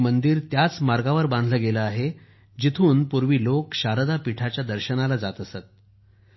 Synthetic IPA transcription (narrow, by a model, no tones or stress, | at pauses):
mənd̪iːɾt̪jat͡smaɾɡaʋəɾbãnd̪ʱləːɡeləaɦe | d͡ʑit̪ʰuːnpuɾʋiːlokɕaɾəd̪apiʈʰat͡ɕjad̪əɾɕənalad͡zat̪əsət̪̚